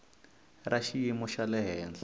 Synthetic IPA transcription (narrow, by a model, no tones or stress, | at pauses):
raʃijimuʃalɛɦɛːnd͡ɮa